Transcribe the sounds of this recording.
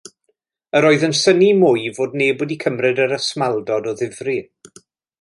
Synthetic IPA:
əɾoːɨðənsənimʊjvoːdneːboːdikʰəmrɨdəɾəsmalˠdɔdɔðɪvri

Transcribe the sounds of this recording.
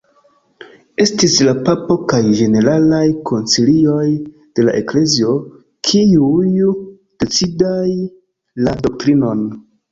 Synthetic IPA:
e̞stislapapo̞kajd͡ʒe̞ne̞ɾalajkʰo̞nt͡silio̞j | d̥e̞la̰ʔe̞kle̞zio̞ | kʰiuj | d̥e̞t͡sidaj | lado̞k̚tɾino̞n

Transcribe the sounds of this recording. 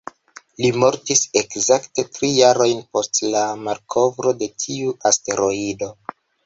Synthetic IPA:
limo̞ɾtise̞kzakte̞tɾijaɾo̞jnpo̞stlamaɾkʰo̞vɾo̞de̞tʰiuʔaste̞ɾo̞ido̞

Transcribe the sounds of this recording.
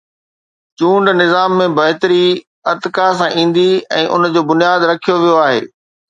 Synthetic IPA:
t͡ɕũːɳɖnɪzaːmːẽbɐɦɪt̪əɾi | ɐt̪ɪkas̬ãʔĩːn̆d̪iɛ̰̃ːʔʊ̰nd͡ʑoːbʊnijaːd̪ɾɐkʰijoʋijoaːɦḛː

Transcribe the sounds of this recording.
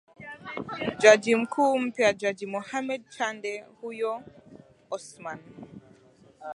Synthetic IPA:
d͡ʒad͡ʒim̩kʰuːm̩piad͡ʒad͡ʒimɔhamɛd̚t͡ʃandɛhujɔ | ɔsman

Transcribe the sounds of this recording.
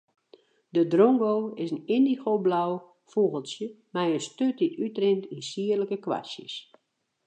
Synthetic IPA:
dədroŋɡoːɪsəninixoːblaw | fuɣəlˠsjə | mɛjənstøtditytrɪntinsiərləkəkʋa̰sjə̰s

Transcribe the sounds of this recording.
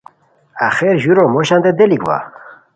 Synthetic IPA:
axeɾʑuɾomoɕand̪ed̪elikva̰

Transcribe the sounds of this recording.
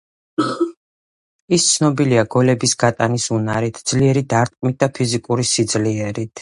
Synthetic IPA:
ist̪sʰnɔbiliaɡɔlɛbisɡat̪ʼanisunaɾit̪ʰd̪z̥liɛɾid̪aɾt̪ʼkʼmit̪̚d̪apʰizikʼuɾisid̪zliɛɾit̪ʰ

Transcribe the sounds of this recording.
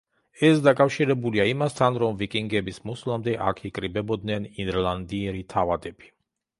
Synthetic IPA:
ɛsd̪akʼafʃiɾɛbuliaimast̪ʰanɾɔmvikʼiŋɡɛbismuslˠamd̪ɛʔa̰kʰikʼɾibɛbɔd̪nɛninɾlˠand̪iɛɾit̪ʰavad̪ɛb̥i

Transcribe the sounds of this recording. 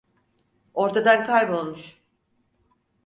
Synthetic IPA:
o̞ɾt̪ʰad̪ankʰajbo̞lˠmuʃ

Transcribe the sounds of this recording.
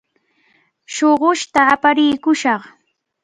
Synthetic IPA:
ʃoɢʊʃt̪aːpaɾɪjkʊʃɑχ

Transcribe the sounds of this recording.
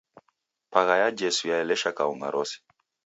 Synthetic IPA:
paɣajad͡ʒɛsujaɛlɛʃakauŋɡa̰ɾʔɔsi̥

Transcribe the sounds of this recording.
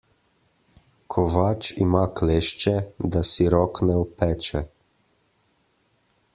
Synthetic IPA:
kʰɔʋaːt͡ʃimakleːʃt͡ʃɛd̪asiɾɔknɛɔpɛːt͡ʃɛ

